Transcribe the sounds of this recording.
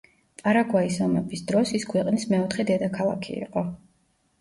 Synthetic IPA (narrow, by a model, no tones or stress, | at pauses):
p̪ʼaɾaɡwaisɔmɛbisd̪ɾɔsiskʰwɛqʼnismɛɔt̪χɛd̪ɛd̪akʰalˠa̰kʰḭḭqʼɔ